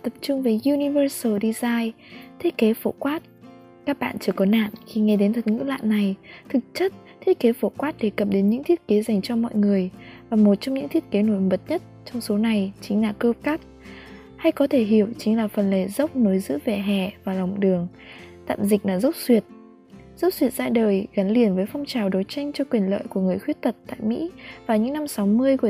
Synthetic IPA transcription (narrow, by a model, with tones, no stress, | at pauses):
t̪ə˨˩p̚t͡ɕʊ˧ŋ͡mve˨˦ju˧ni˧vəː˧sə˧˩ɗi˧zaː˧j | t̪ʰi˦˥t̚ke˨˦fo˧˩kwaː˦˥t̚ | kaː˦˥k̚ɓa̰ː˧˨nt͡ɕɨ˧˩əkɔ˨˦na̰ː˧˨nxi˧˩ŋɛ˧ɗe˨˦nt̪ʰə˨˩t̚ŋɨ̰˧˥la̰ː˧˨nːa˨˩jt̪ʰɨ˨˩k̚t͡ɕə˦˥t̚ | t̪ʰi˦ə˥t̚ke˨˦fo˧˩kwaː˦˥t̚ɗe˧˩kə˨˩p̚ɗe˨˦nɲɨ̰˧˥ŋt̪ʰi˦˥ət̚ke˨˦za˨˩jŋ̟t͡ɕɔ˧mɔ̰˧˨jŋɨ˨˩əjvaː˨˩mo˨˩t̚t͡ɕɔ˧wŋ͡mɲɨ̰˧˥ŋt̪ʰi˦˥ət̚ke˨˦no˧˩jmə˨˩t̚ɲə˦˥t̚t͡ɕɔ˧wŋ͡mso˨˦na˨˩jt͡ɕï˨˦ŋ̟laː˨˩kəː˧p̚ka˦˥k̚ | ha˧jkɔ˨˦t̪ʰe˧˩ɦi˧˩əwt͡ɕi˨˦ŋ̟laː˨˩fə˨˩nle˧˩zə˦˥wk͡p̚no˨˦jzɨ̰˧˥ve˨˩ɦɛ̰˧˩˨vaː˨˩lɔ˨˩wŋ͡mɗɨ˨˩əŋ | t̪a̰ː˧˨mzï˨˩k̟̚laː˨˩zə˦˥wk͡p̚swi˨˩ət̚ | zə˦˥k͡p̚swi˨˩ət̚z̥a̰ː˧˥ɗəː˨˩jɣa˨˦nli˨˩ənvəː˨˦jfɔ˧wŋ͡mt͡ɕaː˨˩wɗo˨˦jt͡ɕa˧jŋ̟t͡ɕɔ˧kwi˨˩ənlə̰ː˧˨jku˧˩əŋɨ˨˩əjxwi˦˥ət̚t̪ʰə˨˩t̚t̪a̰ː˧˨jmḭ˧˥vaː˨˩ɲɨ̰˧˥ŋna˧msa˨˦wmɨ˧əjku˧˩ə